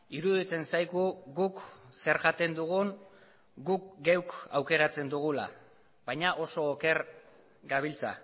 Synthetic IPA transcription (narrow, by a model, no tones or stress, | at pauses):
iɾuðit͡se̞nsajɣuɡukse̞ɾʝat̪e̞nd̪uɣ̞un | ɡukɡe̞wkawke̞ɾat͡se̞nd̪uɣ̞ula̰ | βajɲaʔo̞so̞ːke̞ɾ | ɡaβ̞ilt͡sa̰